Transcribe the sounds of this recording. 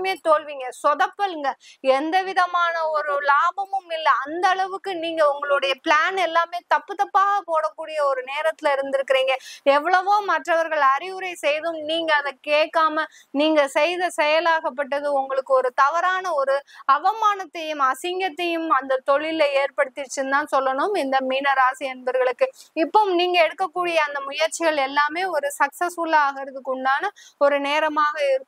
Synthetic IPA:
meːt̪olʋiːŋɡɐsɔðɐpːɐlɯŋɡɐɛnd̪ɐʋɪðɐmaːnɐɔɾɯlaːbɐmɯmɪlːɐːnd̪ɐːɭɐʋɯkːɯniːŋɡɐʊŋɡɐɭʊɽɐjɐpɭaːnɛlːaːmeːt̪ɐpːɯt̪ɐpːaːɣɐpoːɽɐkːuːɽɪjɐɔɾɯneːɾɐt̪ːɪlɪɾɯnd̪ɪɾɯkːɪɾiːŋɡɐɛʋːɐɭɐʋoːmɐʈrɐʋɐɾɣɐɭɐɾɪʋɯɾɐɪsɛjðɯmniːŋɡɐːðɐkeːʈkːaːmɐ | niːŋɡɐsɛjðɐsɛjɐlaːɣɐpːɐʈ̬ːɐðɯʊŋɡɐɭɯkːɯɔɾɯt̪ɐʋɐɾaːnɐɔɾɯɐʋɐmaːnɐt̪ːɐjɯmɐsɪŋɡɐt̪ːɐjɯmɐnd̪ɐt̪ɔɭɪleːɾpɐɽɯt̪ːɪɾt͡ʃːɯnt̪ãːnsɔlːɐɳɯmɪnd̪ɐmiːnɐɾaːsɪɐnbɐɾɣɐɭɯkːɯɪpːoniːŋɡɐɛɽɯkːɐkːuːɽɪjɐːnd̪ɐmʊjɐɾt͡ʃɪɣɐɭɛlːaːmeːɔɾɯsɐksɐsfʊlːɐaːɣɪɾɐðɯkːʊɳɖaːnɐɔɾɯneːɾɐmaːɣɐɪɾɯkː

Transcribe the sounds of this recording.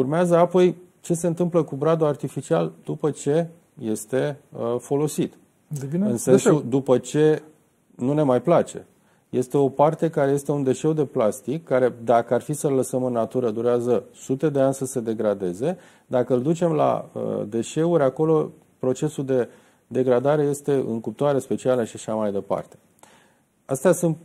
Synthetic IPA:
urmeazəapo̞j | t͡ʃe̞se̞ɨnt̪ɨmpləkubɾad̪uart̪ifit͡ʃiald̪upət͡ʃe̞ | je̞st̪e̞fo̞lo̞sit̪ | d̪ɨnsesud̪upət͡ʃe̞ | nune̞majplat͡ʃe̞̰ | je̞st̪e̞o̞part̪e̞kaɾeje̞st̪e̞und̪e̞ʃe̞wd̪e̞plast̪ikːaɾe̞d̪akəarfisəlːəsəmɨnːat̪uɾəd̪uɾeazəsut̪e̞d̪e̞anʲsəse̞d̪e̞ɡɾad̪e̞ze̞ | d̪akəɨld̪ut͡ʃe̞mla̰ə̰d̪e̞ʃe̞uɾʲako̞lo̞ | pɾo̞t͡ʃe̞suld̪e̞ | d̪e̞ɡɾad̪aɾe̞je̞st̪e̞ɨ̰ŋkup̚t̪oaɾe̞spe̞t͡ʃialəʃiaʃamajd̪e̞pa̰rt̪e̞̥ | ast̪easunt̪

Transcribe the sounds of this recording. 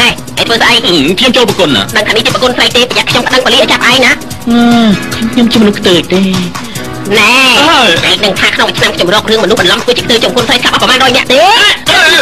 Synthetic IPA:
nah | ʔəjt̪ʰʋəːsʔaɛj̚kʰɲomt͡ɕoːlpəkuəna̰ɗəŋt̪ʰaːniht͡ɕiəprəkuənsrəj̚t̪eːpəjɛʔkʰɲompə̆ɗəŋpəliːhʔat͡ɕap̚əʔaɛjna | ʔəːkʰɲmkʰɲomt͡ɕiəmɔnuhkʰt̪əːc̚t̪eː | nɛɛəʔanɨŋt̪ʰaːkʰnoŋʔt͡ɕʰnamkʰɲomrɔːk̚rɨəŋmɔnuhɓɑnlɑmt̪ʰʋɨət͡ɕiəkʰt̪əːc̚t͡ɕomkʰuənsrəjskap̚ʔɑpːəmaːnrɔːjnɛ̆əʔt̪eː

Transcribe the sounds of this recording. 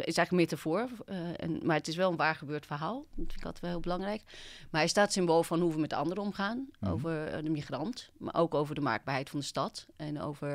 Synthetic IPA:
ɪsɛjχləkmɪtəv̥oːɹɛ̰nmaɹətɪsʋɛlˠənʋaːɹχəbøːtfəɹɦaːlˠdtfɪnɪkɑlˠtɛ̥jtʋɛlˠɦɪːlˠbəlɑŋrɛjkmaɹɛɪstaːtsɪmboːlˠfɑnɦuʋəmɛtdəɑ̰ndəɾəɔmχaːnʔo̰wvəɹdəmiχrɑntma̰ʔo̰wkowvəɹdəma̰ːɡ̚baːɹɦɛjtfɑndəstɑtɛno̰wvəɹ

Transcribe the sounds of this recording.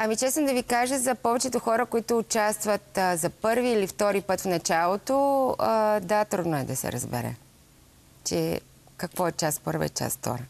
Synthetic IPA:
ɐmit͡ʃɛsnod̪ɐvikaʒəzɐpɔvɛt͡ʃɛt̪ʊxɔɾəkoit̪ʊːt͡ʃast̪vɐt̪zɐpɤɾviːlift̪ɔɾipɤt̪fnɐt͡ʃalˠot̪o | d̪at̪ɾud̪noɛd̪ɐsɛ̰ɾɐ̰zbɛ̰ɾɛ̰ | t͡ʃɛ̰ | kɐkvɔɛt͡ʃast̪pəɾvə̰ɛ̰t͡ʃa̰sft̪ɔ̰ɾə

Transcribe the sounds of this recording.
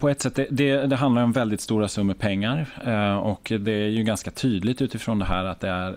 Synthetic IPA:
pʰɔɛt̪sɛt̪ːd̪ɛd̪ɛd̪ɛɦand̪aɾɔmvɛld̪ɪt̪st̪uːɾasɵmːəpʰɛŋːaɾɔkd̪ɛæɾjɵɡanskat̪ʰyːd̪lɪɡt̪ʉ̟ːt̪ɪfɾɔnd̪ɛɦæːɾat̪̚d̪ɛæɾ

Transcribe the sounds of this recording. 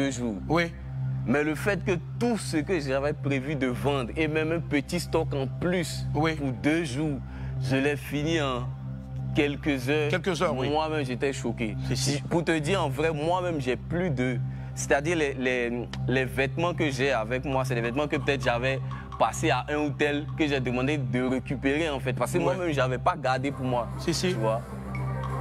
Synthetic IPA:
døʒuːwi | mɛləfɛt̪kət̪usəkəʒavɛpʁevyd̪əvɑ̃d̪ʁemɛ̃mɛ̃pət̪ist̪ɔkɑ̃plyswipud̪øʒuːʁ | ʒəlɛfiniɑ̃ | kɛlkəzœːʁkɛlkəzœimwamɛ̃mʒet̪ɛʃokespuʁt̪əd̪iʁɑ̃vʁɛmwamɛ̃mʒɛplyd̪ə | sɛ̥t̪ad̪iʁlɛlɛlɛvɛt̪mɑ̃kəʒɛavɛkmwas̬ɛlɛvɛt̪mɑ̃kəpøt̪ɛt̪χʒavɛ | paseaʔɛ̃ut̪ɛlkəʒɛd̪əmɑ̃d̪ed̪əʁekypeʁeɑ̃fɛt̪̚paʁskəmwamɛ̃mʒavɛpaɡaʁd̪epuʁmwa | it͡ʃvwa

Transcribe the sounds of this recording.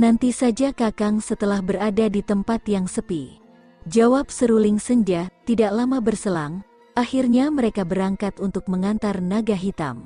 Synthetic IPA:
nant̪isad͡ʒakakaŋsət̪əlahbəɾadadit̪əmpat̪jaŋsəpi | d͡ʒawap̚səɾulɪŋsəɲd͡ʒat̪idaʔlamabərsəlaŋ | ʔahirɲaməɾekabəɾaŋkat̪unt̪ʊk̚məŋant̪arnaɡaɦit̪a̰m

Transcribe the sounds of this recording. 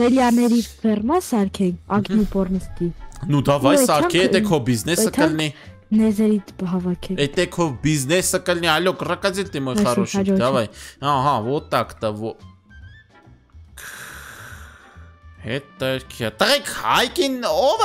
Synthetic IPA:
ɛljɑnɛɾifɛrmɑsɑɾkʰɛnʰɑɡnipɔrnist̪inud̪ɑvɑjsɑɾkʰiɛt̪ɛkʰɔvbiznɛsəəlni | nɛzɛɾiɦɑvɑkʰɛɛt̪ɛkʰɔvbiznɛsəkəlniɑlɔkərɑkɑd͡zilt̪imɔjɑrɔʃid̪ɑvɑjɑɦɑvɔt̪ɑkt̪ɑvɔ | hɛt̪ɛɾkʰjɑt̪əʁikʰhɑjkinɔv

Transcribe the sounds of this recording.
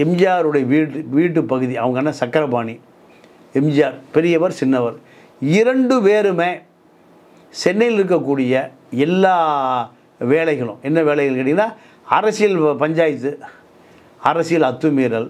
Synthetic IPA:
ɛmd͡ʒɪjaːɾɯɽɐjɐʋiːʈːɯʋiːʈ̬ːɯpːɐɣɯðiɐʋɐŋɡɐnːɐsɐkːɐɾɐbaːni | ɛmd͡ʒɪjaːɾpɛɾɪjɐʋɐɾsɪnːɐʋɐɾ | ɪɾɐɳɖɯʋeːɾɯmeː | sɛnːɐjɪlɪɾɯk̬ːɐkːuːɽɪjɐ | ɛlːaː | ʋeːɭɐɪɣɐɭʊ̰̃ɛnːɐʋeːɭɐɪɣɐɭkɪːʈːɪŋɡɪnːaː | ɐɾɐsɪjɐlpɐɲd͡ʒaːjɪt̪ːɯ | ɐɾɐsɪjɪlɐt̪ːɯmiːɾɐl

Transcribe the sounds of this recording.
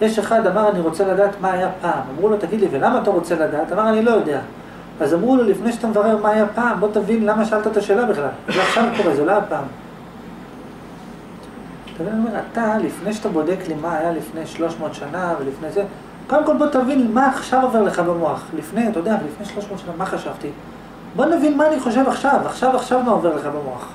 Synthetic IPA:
jeʃe̞χad̪amaʁaniʁo̞t͡se̞lad̪aːt̪maːjapaːmamʁulot̪aɡid̪livelamaːt̪aʁot͡se̞lad̪aːt̪amaʁanilo̞jo̞de̞a | azamʁulolifnejʃat̪amevaʁeʁmaːjapaːmbo̞t̪avinlamaʃaalt̪aet̪aʃe̞ːlabiχlalzeaχʃavkoʁezeloajapaːm | t̪avinaniome̞ʁat̪alifnejʃat̪abo̞de̞klimaːjalifne̞jʃlo̞ʃmo̞ːt̪ʃanavelifne̞jze | kodemko̞lbo̞t̪avinmaːχʃavo̞ve̞ʁle̞χabemoaχlifnejt̪ajodealifne̞jʃlo̞ʃmo̞ːt̪ʃanamaχaʃavt̪i | bo̞navinmaːniχo̞ʃ̬e̞vaχʃavaχʃavaχʃavmaove̞ʁleχabemo̞aχ

